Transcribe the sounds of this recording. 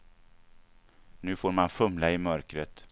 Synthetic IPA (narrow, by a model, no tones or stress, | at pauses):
nʉ̟ːfoːɾmanfɵmlaɪmœɾkɾət̪